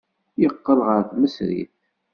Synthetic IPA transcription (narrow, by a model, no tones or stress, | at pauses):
jəqːəlʁəɾθməsɾḭθ